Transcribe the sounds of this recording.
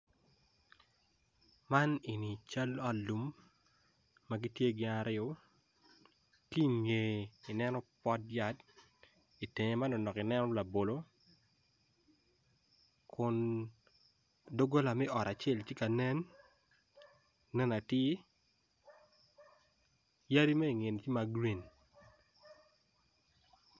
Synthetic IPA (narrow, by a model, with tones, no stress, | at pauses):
ma˦ni˨ni˨t͡ʃa˦lɔ˦lu˨m | a˦ɡi˦tje˦ɡɪ˦a˦ɾɪo˦ | ki˦˨ŋe˨i˨nɛ˦nɔ˦pɔ˦tja˨˦t | i˨te˨ŋe˨ma˦no˨nɔ˨kɪ˨nɛ˦nɔ˦la˨bo˨lo˦ | kʰʊ˨n | do˦ɡo˦la˨mɛ˦ʔɔ˨ɾa˨t͡ʃe˦˨lt͡ʃi˦ka˨nɛ˦n | ɛ˦na˨tɪ˦ | ja˦ɾi˦me˦i˨ŋe˨nt͡ʃi˦ma˦ɡɾi˨n